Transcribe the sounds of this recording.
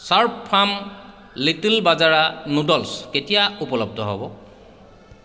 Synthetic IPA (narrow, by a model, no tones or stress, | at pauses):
saɹpʰːam | litilbazaɹanudɔlsketijaupɔlɔb̚dʱɔɦɔbɔ